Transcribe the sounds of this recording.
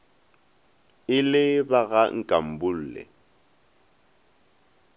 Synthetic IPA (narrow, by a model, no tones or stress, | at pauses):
ɪlɪbaɣaŋ̩kʼam̩bʊl̩ːlɛ̰